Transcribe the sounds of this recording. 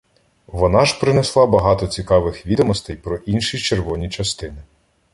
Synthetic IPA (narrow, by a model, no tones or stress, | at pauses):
ʋɔnɑʒ̥pɾɪneslˠɑbɐɦɑt̪ɔt͡sʲikɑʋɪxʋʲid̪ɔmɔst̪ɛjpɾɔʔinʃit͡ʃerʋɔnʲit͡ʃɐst̪ɪnɪ